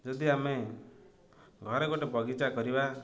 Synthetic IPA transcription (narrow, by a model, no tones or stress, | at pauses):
d͡ʒɔd̪iame | ɡʱɔɾɔɡoʈebɔɡit͡ʃakɔɾiba